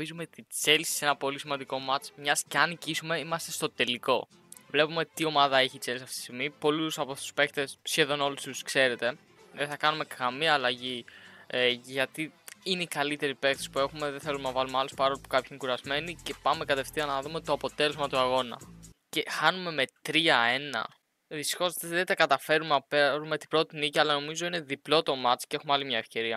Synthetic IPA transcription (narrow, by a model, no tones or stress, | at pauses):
izumet̪it͡selsi̥se̞nɐpo̞lisimɐnd̪iko̞mɐt͡smɲɐsceɐnicisume̞imɐst̪e̞st̪o̞t̪e̞liko̞ | vle̞pume̞t̪io̞mɐðɐe̞çit͡selsɐft̪i̥st̪iɣmipo̞lusɐpot̪u̥spe̞kt̪e̞sːçe̞ðo̞no̞lust̪uuskse̞ɾe̞t̪e̞ | ðeθɐkɐnume̞kɐmiɐːlɐʝi | ʝɐt̪iineikɐlit̪e̞ɾipe̞kt̪esi̥pue̞xume̞ðeθe̞lumenɐvɐlumeɐlospɐɾo̞lipu̥kɐpçiinekuɾɐzme̞nice̞pɐme̞kɐt̪e̞ft̪iɐnɐðume̞t̪oɐpo̞t̪e̞le̞zmɐt̪uɐɣo̞nɐ̰ce̞xɐnume̞me̞t̪ɾiɐe̞nɐ̰ | ðist̪ixo̞zðet̪ɐkɐt̪ɐfe̞ɾumeɐpeɾume̞t̪i̥bɾo̞t̪iniciɐlɐno̞mizo̞ine̞ðiplo̞t̪o̞mɐt̪i̥cee̞xumeɐlimɲɐefce̞ɾiɐ